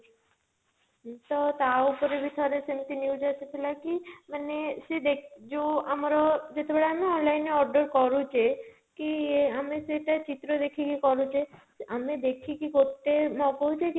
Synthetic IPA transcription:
t̪ɔt̪aupoɾebit̪ʰɔɾesemt̪injud͡ʒat̪ʰet̪ʰilakimanesed̪ekd͡ʒoamaɾɔd͡ʒet̪epaɽeamiɔnlajneɔɾɖəɾkɔɾut͡ʃe | kieamiseʈat͡ɕit̪ːɾod̪ekʰikikɔɾut͡ɕʰe | amid̪ekʰikikoɾt̪emɔkoɦut͡ɕʰek

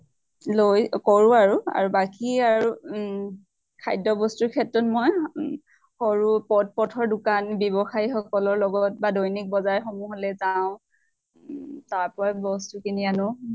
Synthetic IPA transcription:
lojkɔɹʊaɹua̰ɹubakiaɹu | kʰajdɔbɔstuɹkʰɛtɹɔtmɔj | xoɹupɔt̚pɔtʰɔɹdʊkanbjɔbɔxajixɔkɔlɔɹlɔɡɔt̚badojnik̚bɔzajxɔmuɦolɛzaʊ̃ | taɹpɔɹabɔstukinianɔ

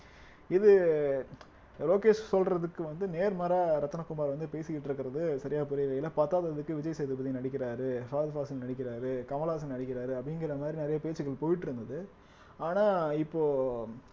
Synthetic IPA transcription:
ɪðɯ | loːkeːʂsɔlrɐðɯkːɯʋɐnd̪ɯneːɾmɐɾaːɾɐt̪ːɐnɐkːʊmaːɾʋɐnd̪ɯpeːsɯkːɪʈːɪɾɯkːɪɾɐðɯsɐɾɪjaːpʊɾɐjʋɐjɪlɐpɐt̪ːaːðɐðɯkːɯʋɪd͡ʒɐjsɛjðɯbɐðinɐɽɪkːɪɾaːɾɯfaːðɐfaːsɐlnɐɽɪk̬ːɪɾaːɾɯkɐmɐlaːs̬ɐlnɐɽɪk̬ʲːɪɾaːɾɯɐpːɐɽɪŋɡɪɾɐmaːðɾinɪɾɐjɐpeːt͡ʃːɯɣɐɭpoːjɪʈːɪɾɯnd̪ɐðɯ | aːnaːɪpːoː

